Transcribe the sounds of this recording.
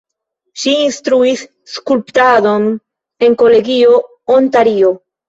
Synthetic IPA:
ʃiːnst̪ɾuisː | kulptado̞n | e̞ŋko̞le̞ɡio̞ | ontaɾio

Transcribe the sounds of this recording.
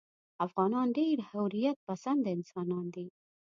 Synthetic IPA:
afɣɑnɑnɖeɾhawɾijat̪̚pasand̪ɪnsɑnɑnd̪i

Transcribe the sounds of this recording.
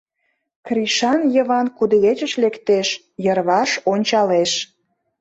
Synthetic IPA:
krʲiʃɑnjə̆βɑnkud̪əɣet͡ɕəʃlekt̪eʃ | jərβɑʃonʲt͡ɕɑleʃ

